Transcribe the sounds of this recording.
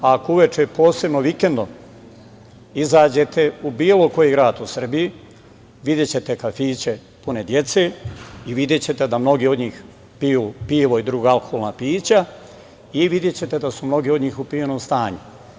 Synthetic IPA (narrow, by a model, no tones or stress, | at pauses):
akouʋe̞t͡ʃe̞po̞ːse̞bno̞ʋike̞nd̪o̞m | izaːd͡ʑe̞t̪e̞ubiːlo̞ko̞jiɡɾaːt̪usr̩biji | ʋid̪je̞t͡ɕe̞t̪e̞kafiːt͡ɕe̞ | pune̞d̪je̞t̪seːiʋid̪je̞t͡ɕe̞t̪e̞d̪amno̞ɡiːo̞d̪ɲiːx | pijuːpiːʋo̞id̪ɾuːɡaalˠko̥holnapiːt͡ɕa | iʋid̪jet͡ɕe̞t̪e̞d̪asumno̞ɡiːod̪ɲiːxupieno̞ːmst̪aːɲu